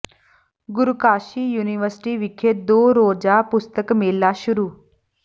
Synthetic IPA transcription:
ɡʊɾukaːʃiːjuːniʋəɾsʈiːʋɪkʰːeːd̪oːɾoːd͡ʒaːpʊst̪əkmeːlːaːʃʊɾuː

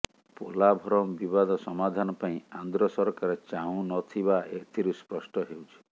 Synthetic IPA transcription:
polabʱɔɾɔmbibad̪ɔsɔmad̪ʱanɔpaĩand̪ɾɔsɔɾkaɾet͡ʃaɦũnɔt̪ʰibaʔet̪ʰiɾuspɾɔsʈɔɦewt͡ʃʰi̥

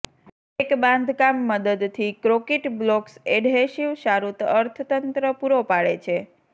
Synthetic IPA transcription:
ekbãnd̪ʱkamːəd̪əd̪t̪ʰikɾokeʈblokseɖɦeʃiʋʃaɾut̪əɾt̪ʰt̪ənt̪ɾəpuɾopaɭḛt͡ʃʰe

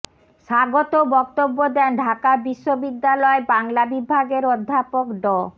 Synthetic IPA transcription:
ʃaɡot̪obɔk̚t̪obːod̪ɛnɖʱakabiʃːobid̪ːalɔebaŋlabibʱaɡeɾod̪ʱːapokɖɔ

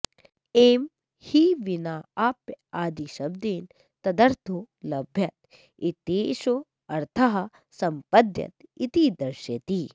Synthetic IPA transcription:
eːm | hiʋinaːapjaːd̪iʃɐb̚d̪eːn | t̪ɐd̪ɐɾt̪ʰo | lɐbʱjɐt̪ | it̪eːʃo | ɐɾt̪ʰɐɦɐ | sɐmpɐd̪jɐ̰t̪it̪id̪ɐɾʃɐt̪i

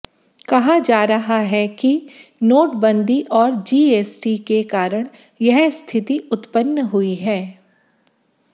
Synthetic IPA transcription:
kɐɦad͡ʒaːɾɐɦaɦɛkinoːʈbə̃nd̪ʱiʔɔːɾd͡ʒiːeːsʈikekaːɾəɽ̃ | jɛɦst̪ʰɪt̪iʊt̪pənːəɦʊiɦɛː

